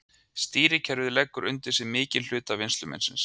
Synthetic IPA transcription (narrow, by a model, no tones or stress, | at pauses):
st̪iːɾɪcʰɛɾvɪðɪlɛkːʏɾʔʏ̰nt̪ɪ̥sɪmɪːcɪnl̥ʏːt̪avɪnst̪lʏmɛ̰nsɪ̰ns